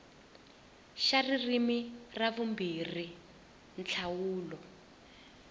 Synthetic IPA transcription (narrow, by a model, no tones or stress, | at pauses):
ʃaririmiraβumbiri | nt͡ɬʰawuːlɔ